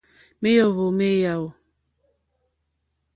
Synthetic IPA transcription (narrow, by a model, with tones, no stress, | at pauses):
me˦jo˦˨ɣo˨me˦ja˨o˨